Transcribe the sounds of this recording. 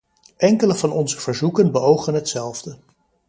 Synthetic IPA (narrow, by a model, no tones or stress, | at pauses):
ʔɛŋkələvɑnɔnzəv̥əɹzukənbəowχənɦətsɛlˠvdə